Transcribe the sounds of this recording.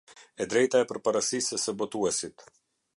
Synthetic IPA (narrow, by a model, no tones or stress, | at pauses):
ɛd̪ɾɛjt̪aɛpəɾpaɾasisəsəbɔt̪uɛsit̪